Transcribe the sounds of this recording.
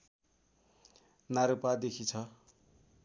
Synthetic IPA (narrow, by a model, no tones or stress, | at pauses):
naɾupad̪ekʰit͡sʰʌ